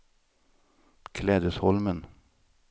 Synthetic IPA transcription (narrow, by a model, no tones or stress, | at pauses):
kʰlɛːd̪ʉshɔlmən